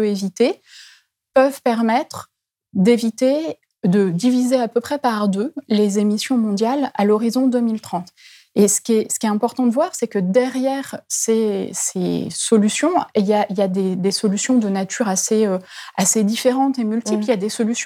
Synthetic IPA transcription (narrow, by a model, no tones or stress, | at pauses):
øevit̪e | pœvpɛʁmɛt̪χ | d̪evit̪e | d̪əd̪ivizeapøpχɛpaʁd̪ølezemisjɔ̃mɔ̃d̪jala̰lɔʁizɔ̃d̪ømilt̪χɑ̃t̪ | esə̥kʲɛsə̥kʲiɛɛ̃pɔʁt̪ɑ̃d̪əvwaʁsɛkəd̪ɛʁjɛʁsesesɔlysjɔ̃iljailjad̪ed̪esɔlysjɔ̃d̪ənat̪ʰyʁaseøased̪ifeʁɑ̃t̪emylt̪ipliljad̪esɔlysjɔ̃